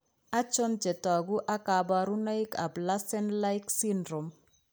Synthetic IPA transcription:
a˦t͡ʃɔ˦nt͡ʃɛ˨tɔ˨ɡu˦ʔa˦ka˨ba˨ɾu˦na˦i˦ka˨bla˦sɛ˦nla˦i˦ksi˦ndɾo˨m

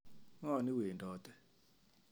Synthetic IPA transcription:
ŋɔ˦˨ni˦we˨ndɔ˨t̪ɛ˦

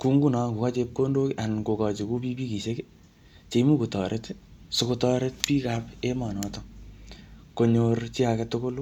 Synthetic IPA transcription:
ku˦ŋɡu˦na˨ku˨ka˦t͡ʃep̚ko˦ndo˦ka˨nko˨kɔ˨t͡ʃi˨ku˦pi˦pi˦ki˨seke | t͡ʃe˨i˦mu˦ku˨tɔ˨ɾʔetsʊ˨kotɔɾet̚piː˦kapemɔ˨nɔtɔ | ko˨ɲort͡ʃi˦a˨kɛ˨to˦ko˦l

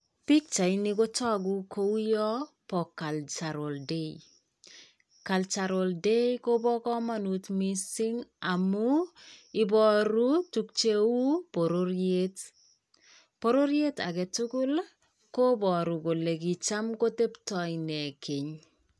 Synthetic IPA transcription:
pi˦k̚t͡ʃa˨inɪ˦ko˦tɔ˦ɡu˦kʰo˦u˦jɔ˦pɔ˨kːa˨lt͡ʃa˨ɾo˨lde˦i | ka˨lt͡ʃa˨ɾo˨lde˦jko˦bɔ˦kɔ˦ma˦nutmi˦sɪ˦ŋa˨mu˦ɪ˨bɔ˨ɾu˦tu˦k̚t͡ʃe˦wu˦po˨ɾo˦ɾje˦t | po˦ɾo˦ɾje˦ta̰˨kɛ˨tu˦kʊ˦l | ko˦bɔ˨ɾu˨ko˨le˨ki˨t͡ʃa˦mko˦te˦ptɔ˨jnɛ˨kʰe˨ɲ

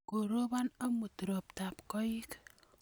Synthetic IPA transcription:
ko˨ɾo˦ba˦na˦mu˨t̪ɾɔ˨p̚t̪apkɔ˦ik

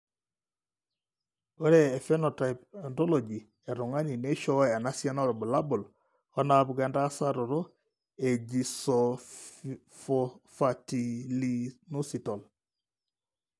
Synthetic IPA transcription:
ɔ˦ɾɛː˦˨fɛ˦nɔ˨tajpa˨ndɔ˦lo˨d͡ʒi˨ | ɛ˨ɾu˨ŋa˦ni˨ne˦ʃɔ˦wa˨na˦sja˦nɔ˦ɾɔ˨bu˨la˦bu˨l | ɔ˦na˨bɡɛ˨nda˦sa˦ɾo˨ɾo˦ | e˨d͡ʒi˨sɔ | fɔfati˨linu˦si˨tɔ˨l

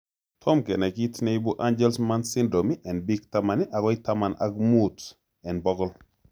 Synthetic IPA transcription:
tʰɔ˦mkɛ˨nɛ˨kitne˦ibu˦ʔa˦nd͡ʒɛlsma˦nsi˦ndɾomiʔɛ˨nbiɡtama˨niʔa˨kɔ˦itama˨na̰ɡmu˦t | ɛ˨nbɔɡɔl

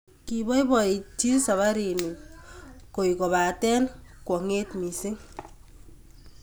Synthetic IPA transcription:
ki˨bɔ˦i˦bɔ˨i˨ti˦sa˨βa˦ɾi˨ni˨ | ko˨i˨kɔ˨βa˨tɛ˦nkwɔ˨ŋe˦tmi˨sɪ˦ŋ

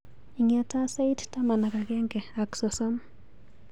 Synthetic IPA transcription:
iŋiata˦sa˦ittama˨na˨ka˨ɡɛ˦ŋɡɛ˨aksɔsɔ˦m

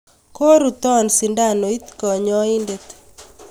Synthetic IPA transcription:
ko˦ɾu˨t̪ɔ˦˨nsi˨nda˦˨no˨i˦t̪kɔ˨ɲɔ˦i˦nde˨t̪

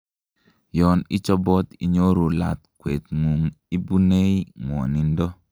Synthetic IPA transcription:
jɔ˨nɪ˦t͡ʃɔ˦bɔ˦t̪ḭ˨ɲo˦ɾo˨la̰˨t̪kwe˨t̪ŋu˨ŋ | i˦bu˦ne˦i˦ŋwɔ̰˨ni˨ndɔ˦

